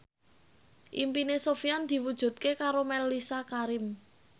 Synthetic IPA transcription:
ʔimpinesofijand̪̥i̤wud̥ʒ̥ṳt̪̚kekaɾomɛlːisakaɾɪm

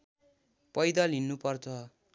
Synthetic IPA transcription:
pʌjd̪ʌlinːupʌrt͡sʰʌ

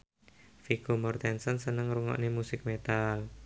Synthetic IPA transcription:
fikomɔrt̪ɛnsənsənəŋɾuŋɔ̰ʔnemusɪk̚met̪al

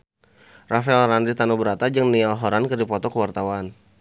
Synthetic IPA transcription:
rafaɛlrandit̪anubəɾat̪ad͡ʒɨŋnialɦɔɾankədipɔt̪ɔkəwart̪awan

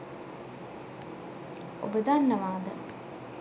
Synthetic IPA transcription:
o̰bəd̪anːəʋaːd̪ə

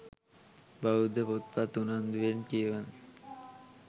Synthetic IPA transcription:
baud̪epot̪̚pat̪unand̪uenkian

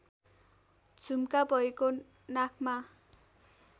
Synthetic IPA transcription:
d͡zʱumkabʱʌeko | nakʰma

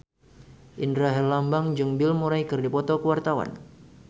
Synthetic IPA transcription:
ʔindɾaɦɛrlambaŋd͡ʒuŋbɪlmuɾajkɨrdipɔt̪ɔkəwart̪awa̰n

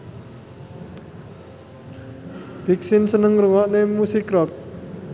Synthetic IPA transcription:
v̥i̤k̚sinsənəŋruwɔʔnemusikɾɔk̚

